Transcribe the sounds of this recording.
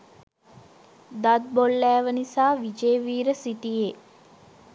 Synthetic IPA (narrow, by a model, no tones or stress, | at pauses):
d̪at̪̚bolːɛːʋənisaːʋid͡ʒeːʋiːɾəsiʈije